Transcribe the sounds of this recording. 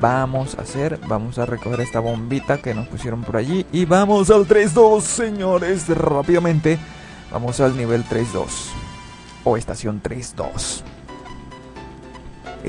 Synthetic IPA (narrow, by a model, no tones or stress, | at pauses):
bamo̞sa̰se̞ɾbamo̞sare̞koxeɾe̞st̪aβo̞mbit̪ake̞no̞spusje̞ɾo̞mpo̞ɾaʝiʔiβamo̞s̬alt̪ɾe̞z̬ðo̞sːe̞ɲo̞ɾesrapiðamẽ̞nt̪e̞ | ba̰mo̞salniβe̞lt̪ɾe̞zðo̞̰s | o̞e̞st̪asjo̞nt̪ɾe̞sd̪o̞̰s